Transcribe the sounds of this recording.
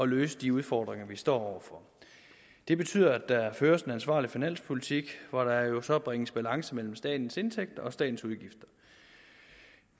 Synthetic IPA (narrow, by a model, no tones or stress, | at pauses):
ɒ̽løːsəd̥iuð̞ˠfɒːd̥ʁeŋɐʋisd̥ɒ̰ːɒʊ̰ɐfɒ̽ | d̥e̝b̥e̝t͡sʰy̰ð̰ˠɐæd̥ɑføːɐse̝nænsʋɑ̰̈ːlifinæn̰spʰo̝lit͡sʰiɡ̥ʋɒɾ̥ɑæɐjo̝sɒ̽b̥ʁeŋəsb̥ælɑ̈ŋsəmel̰m̩sd̥ɛ̰ːd̥n̩se̝nt͡sʰeɡ̥̚d̥ɐɒ̽sd̥ɛ̰ːd̥n̩suð̞ˠɡ̥ifd̥ɐ̥